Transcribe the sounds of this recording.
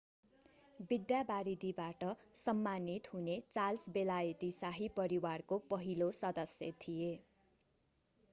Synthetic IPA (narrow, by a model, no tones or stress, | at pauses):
bid̪jabaɾid̪ibaʈʌsʌmːanit̪ɦunet͡salsbelajʌt̪isaɦipʌɾiwarkopʌɦilosʌd̪ʌsjʌ̰t̪ʰije